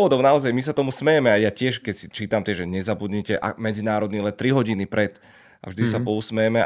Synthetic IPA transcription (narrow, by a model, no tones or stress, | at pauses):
ʋɔd̪ɔʊnaɔzajmis̬at̪ɔmusmɛjɛmɛajacɪɛʃkɛcsit͡ʃiːt̪amt̪ɪɛʒɛɲɛzabud̪ɲɛcɛʔa̰mɛd͡zinaːɾɔd̪niːlɛnt̪ɾiɦɔɟinipɾɛt̪ | ʔa̰vʒd̪isapɔusmɛjɛmɛ